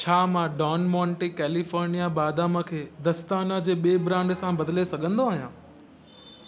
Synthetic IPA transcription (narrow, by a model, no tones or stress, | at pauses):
t͡ɕʰaːmãɖɔːnmɔ̃ːɳʈikɛːlifɔːɾnijabaːd̪aməkʰeːd̪ɐst̪aːnad͡ʑeːɓeːbɾãːɳɖsãbɐd̪ʱɪlesɐɠʱə̃nd̪oaːɦijãː